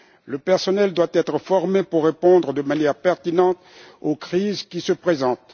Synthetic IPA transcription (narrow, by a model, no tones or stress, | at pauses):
ləpɛʁsɔnɛld̪wat̪ɛt̪χəfɔʁmepuʁːepɔ̃d̪ʁəd̪əmanjɛʁpɛʁt̪inɑ̃t̪okχizkʲisəpχezɑ̃t̪